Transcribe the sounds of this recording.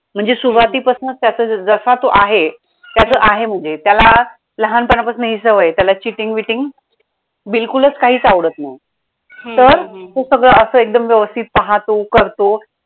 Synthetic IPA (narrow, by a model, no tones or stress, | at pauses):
m̤əɳd͡zesuʋat̪iːpəsunt̪jat͡səːd͡zəsat̪oʔaɦe | t̪jat͡səːʔaɦem̤əɳd͡zet̪jala | ləɦanpənapəsnəɦisəʋəjt̪jalat͡ɕiʈiŋɡʋiʈiŋɡ | bilkulət͡skaɦiːt͡saʋɽət̪na | t̪əɾt̪osəɡɭəːəsəːek̚d̪əmʋjəʋəst̪ʰit̪̚paɦat̪okəɾt̪o